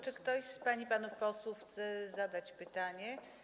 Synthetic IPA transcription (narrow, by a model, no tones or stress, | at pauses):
t͡ʂɘkt̪ɔɕspaɲipanufpɔswufxt̪sɛzad̪at͡ɕpɘt̪aɲɛ